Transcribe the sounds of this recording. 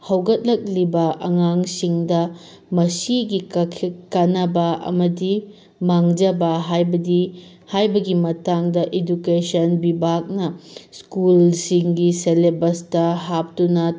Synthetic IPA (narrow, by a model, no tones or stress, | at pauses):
hɐwɡɐt̚lɐk̚libɐɐŋaŋsiŋdɐ | mɐsiɡikʰkanɐbɐɐ̰mɐdi | maŋd͡ʒɐbɐɦajbɐdi | hajbɐɡimɐtaŋdɐʔedukesɐnbibʱak̚nɐskulsiŋɡiselebɐstɐɦap̚tunɐ